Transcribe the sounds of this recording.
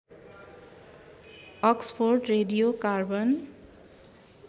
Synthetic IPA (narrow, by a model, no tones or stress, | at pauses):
ʌkspʰorɖreɖijokarbʌn